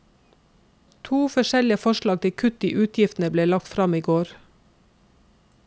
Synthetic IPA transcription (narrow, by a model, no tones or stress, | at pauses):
t̪ʰuːfɔʃɛlɪəfɔʃɭɑːɡ̚t̪ʰɪkʰʉt̪ɪʔʉːt̪ʰjɪft̪n̩əbleːlɑk̚t̪fɾɑmiːɡoːɾ